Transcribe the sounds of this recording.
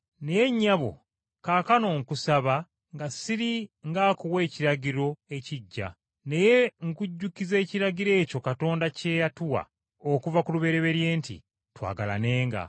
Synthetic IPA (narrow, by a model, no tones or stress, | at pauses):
nejeɲːaβo̞̰ | kaːkano̞ːŋkusaβa | ŋɡasiɾiŋɡaːkowe̞ːciɾaɟiɾo̞e̞ciɟːa̰ | ne̞je̞ŋkuɟːukize̞ːciɾaɡiɾe̞ːco̞kato̞ːndace̞jatuwa̰ | okuvakuluβe̞ɾe̞βe̞ɾje̞ːntḭ | twa̰ːɡala̰ne̞ːŋɡa̰